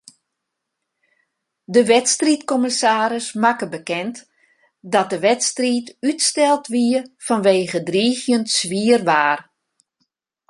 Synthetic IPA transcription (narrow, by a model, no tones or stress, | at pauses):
dəʋɛtstritkɔmɪsaːɾɪsmakəbəkɛnt | dɔt̚dəʋɛtstritytstɛlˠtʋiəfɔnʋeːɣədriːɣjəntsʋiərʋaːr